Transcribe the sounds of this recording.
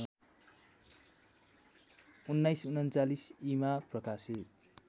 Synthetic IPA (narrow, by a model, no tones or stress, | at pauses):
unːajsunʌnt͡salisimaprʌkasit̪̚